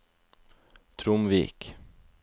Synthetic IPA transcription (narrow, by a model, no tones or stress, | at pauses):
t̪ʰɾʊmʋḭːk